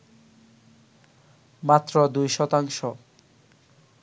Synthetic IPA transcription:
mat̪ːɾod̪ujʃɔt̪aŋʃɔ

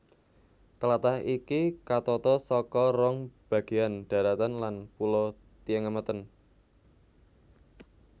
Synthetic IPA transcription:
t̪əlat̪ahʔikikat̪ɔt̪ɔsɔkɔrɔŋb̥ä̤ɡ̥eand̪̥a̤ɾat̪anlanpulo | t̪iəŋəmət̪ən

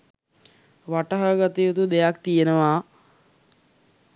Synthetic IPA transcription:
ʋaʈəɦəɡat̪ijot̪ud̪ejak̚t̪ijenəʋaː

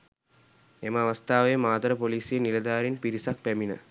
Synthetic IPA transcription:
eməaʋɐst̪aːʋəjəmaːt̪ɾəpoliːsenːilɐd̪aːɾinpiɾisak̚pæminə̰

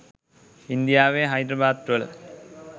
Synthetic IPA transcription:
ind̪ijaːʋeɦɐjd̪ɾɐbaːt̪ɾɐɭ

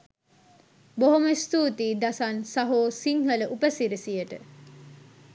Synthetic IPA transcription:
boɦoməst̪uːt̪iːd̪asansɐɦoːsiŋhələʔupəsiɾisijəʈə

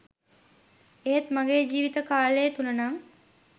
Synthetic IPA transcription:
eɦet̪maŋɡeːd͡ʒiːʋit̪əkaːlejət̪unənaŋ

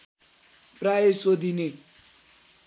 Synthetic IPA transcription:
praesod̪ʱine

